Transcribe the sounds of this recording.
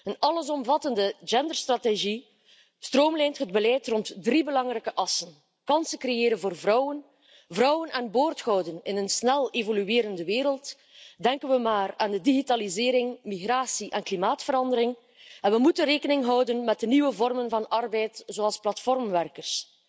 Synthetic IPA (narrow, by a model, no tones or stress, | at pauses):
ənɑləzɔmvɑtəndəd͡ʒɛndərstrateʒi | stroːmlɛːntɦəd̚bəlɛjtrɔntdribəlɑŋrɛkəʔɑsən | kɑnsəkɾejeːɾənvoːrvrɔwən | vrɔwənɛnboːrtxɔwdənɪnənsnɛlˠevolyeːɾəndəʋeːɾəlˠt | dɛŋkənʋəmaːraːndədiɣitaːlizeːɾɪŋmiɣraːsiʔɛnklimaːtfəɾɑndəɾɪŋ | ɛnʋəmutənreːkənɪŋɦʌwdənmɛt̚dəniʋəvɔrmənvɑnɑrbɛjtzoːɑlˠsplɑtfɔrmʋɛrkərs